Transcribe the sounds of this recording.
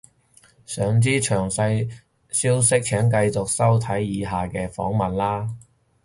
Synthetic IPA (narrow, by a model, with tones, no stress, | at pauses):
sœː˨˧ŋt͡siː˥t͡ʃʰœː˨˩ŋsɐ˧j | siː˥wsɪ˥k̚t͡ʃʰɛː˨˥ŋkɐ˧jt͡sʊ˨k̚sɐ˥wt̪ʰɐ˨˥jːiː˨˧ɦaː˨˩kɛː˧fɔ̰ː˨˥ŋmɐ˨˩nlaː˥